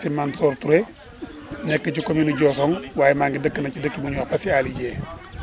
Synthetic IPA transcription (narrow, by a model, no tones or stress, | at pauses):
simansoɾtuɾe | nɛkːət͡ʃukominuɟɔːs̬oŋwaːjemaŋɡidəkːinacidəkːimuɲuwapasialiɟe